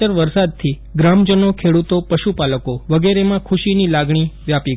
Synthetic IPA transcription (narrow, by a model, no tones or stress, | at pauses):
əɾʋəɾsad̪̚t̪ʰi | ɡɾamd͡ʒənokʰeɽut̪opəʃupaləkoʋəɡeɾemãkʰuʃinilaɡɳ̃iʋjapiɡ